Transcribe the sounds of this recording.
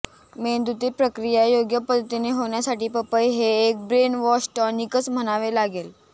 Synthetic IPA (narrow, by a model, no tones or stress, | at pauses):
mend̪ut̪iːpɾəkɾijajoɡjəpəd̪ʱːət̪ineɦoɳ̃jasaʈiːpəpəjɦeːk̚bɾenʋɔsʈənikət͡sm̤əñaʋelaɡel